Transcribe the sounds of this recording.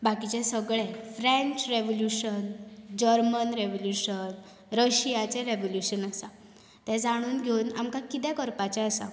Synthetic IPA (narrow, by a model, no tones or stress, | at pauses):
bakit͡ɕɛsəɡɭɛfɾɛ̃ɲt͡ɕɾeʋoljuɕənd͡ʑəɾmənɾeʋoljuɕən | ɾəɕijat͡sɛ̃ɾeʋoljuɕənəsã | t̪ɛ̃d͡zaɽ̃uːnɡʱeuna̰mkakit̪ɛkəɾpat͡ɕɛ̃əsã̰